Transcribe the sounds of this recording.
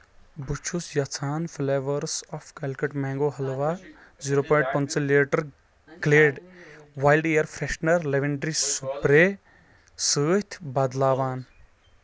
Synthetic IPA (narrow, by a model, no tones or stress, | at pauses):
but͡ʃʰusjɐt͡sʰaːnfʰleːʋɐɾsɔfkelkɐʈmɛ̃ːŋɡoːɦɐlʋa | ziɾoːpɐːɖ̚pɐnt͡sɐleːʈɐɾ | ɡleːɖʋaːjlɖejɐɾfʰɾeʃnɐɾleʋiɳɖɾisupɾe | səːt̪ʲʰbaːd̪laːʋaːn